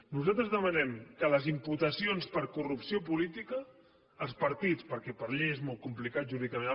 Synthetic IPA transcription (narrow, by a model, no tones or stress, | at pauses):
nuzat̪ɾəzðəmənɛmkələzimput̪əsionspəɾkurupsiop̬ulit̪ikəː | lˠspəɾt̪it͡spəɾkɛpəɾʎeezmolˠt̪̚kumplikat̪̚ʒuɾiðik̪əmen